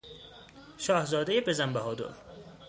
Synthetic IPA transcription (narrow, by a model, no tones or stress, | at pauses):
ʃɒːhzɒːd̪ejebezæmbæɦɒːd̪o̰l